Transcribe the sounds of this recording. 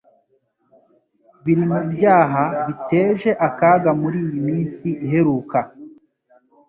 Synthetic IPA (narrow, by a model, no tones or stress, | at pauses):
βiɾimubjaːɦaβite̞ːʒe̞ʔakaːɡamuɾiːjimiːnsiʔiɦe̞ɾuːka